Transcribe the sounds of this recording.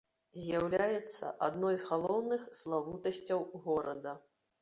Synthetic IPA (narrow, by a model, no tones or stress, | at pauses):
zʲjawlʲajɛt̪sːɐ̰ʔad̪nɔjzɣalˠɔwnɨxslˠavut̪ɐsʲt͡sʲɐwɣɔɾɐd̪ɐ